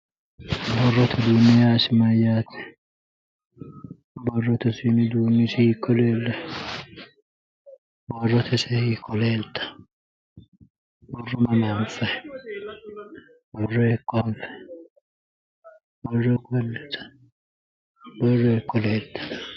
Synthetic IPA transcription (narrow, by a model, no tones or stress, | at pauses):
bɔrːɔt̪ʰɐd̪unɪjaːsɪmɐjaːt̪ʰɛ̥ | bɔrːɔt̪ɐsinɪd̪uːnɪsɪikʼːɔleːlːɐ | bɔrːɔt̪ʰɛsɛhikʼːɔleːlt̪ʰɐ̥ | bɔrːɔmɐnanfɐ | bɔrːɔkʼːɔfɐ̥ | bɔrːɔɡɐlːɛt̪ɐ̥ | bɔrːɔkʼːɔleːlt̪ɐ̥